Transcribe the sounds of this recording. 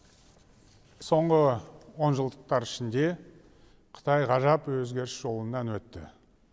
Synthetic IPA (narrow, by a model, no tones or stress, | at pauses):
so̞ɴʁəwo̞nʒəlˠd̪əq̚t̪ɑɾɪʃɪnd̪e̞ | qʰə̥t̪ʰɑjʁɑʒɑpwɵzɡʲe̞ɾɪsʒ̥o̞lˠənːɑnwɵt̪ːɪ̰